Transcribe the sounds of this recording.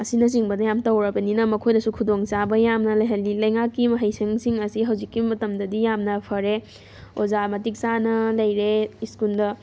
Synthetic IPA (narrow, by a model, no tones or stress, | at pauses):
ɐsinɐs̬iŋbɐdɐjamtɐwɾɐbɐninɐmɐkʰojdɐsukʰudoŋt͡ʃabɐjamnɐlɐjɦɐlilɐjŋakːimɐɦɐjsɐŋsiŋɐsiɦawzikːimɐtɐmdɐdijamnɐpʰɐɾe | ozamɐtik̚sanɐlɐjɾeiskuldɐ